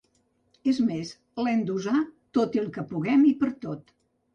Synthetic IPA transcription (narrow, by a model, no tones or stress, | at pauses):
ezmes | lɛmd̪uzat̪ot̪iəlˠkəpuɣɛmipəɾt̪ot̪